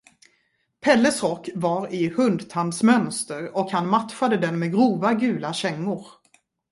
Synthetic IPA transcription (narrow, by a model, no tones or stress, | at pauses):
pʰɛlːəsɾɔkːvaɾɪhɵnd̪t̪ʰand̪smœnst̪əɾɔkhanmat̪fad̪əd̪ɛnmɛɡɾuːvaɡʉ̟ːlaɕɛŋːʊɾ